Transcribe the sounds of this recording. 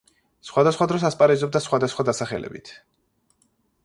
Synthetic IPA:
sχwad̪asχwad̪ɾɔs̬aspʼaɾɛzɔbd̪asχwad̪asχwad̪asaχɛ̰lɛ̰bḭt̪ʰ

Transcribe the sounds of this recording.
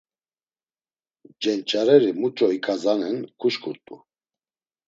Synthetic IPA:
d͡ʒɛnt͡ʃʼaɾɛɾimut͡ʃʼɔikʼazanɛnkʰuʃkʰuɾt̪ʼṵ

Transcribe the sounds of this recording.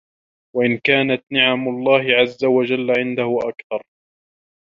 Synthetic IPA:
waʔɪnkaːnat̪nɪʕamʊlˤːɑːhɪʕazːawad͡ʒalːaʕɪnd̪ahʊʔa̰kθɑɾˤ

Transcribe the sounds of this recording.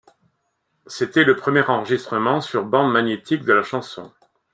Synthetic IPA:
set̪ɛləpχəmjɛʁɑ̃ʁəʒist̪χəmɑ̃syʁbɑ̃d̪maɲet̪ikd̪əlaʃɑ̃sɔ̰̃

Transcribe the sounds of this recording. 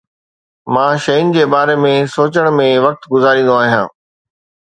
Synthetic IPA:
mãːʃɐjʊnɪ̆d͡ʑeːbaːɾemẽsoːt͡ɕəɽ̃mẽʋɐk̚t̪ɡʊzaːɾĩːnd̪oaːɦijã̰ː

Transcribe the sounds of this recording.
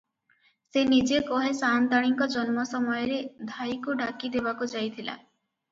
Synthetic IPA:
senid͡ʒekɔɦesant̪aɽ̃iŋkɔd͡ʒɔnmɔsɔmɔjɔɾed̪ʱajkuɖakid̪ebakud͡ʒajt̪ʰila̰

